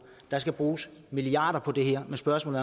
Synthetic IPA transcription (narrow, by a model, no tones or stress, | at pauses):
d̥ɑ̈sɡ̥æb̥ʁuːsmiliɑ̈ːd̥ɐpʰɒ̽d̥e̝ɦɛɐ̰mesb̥ɶɐsmɔ̰ːlð̩ˠ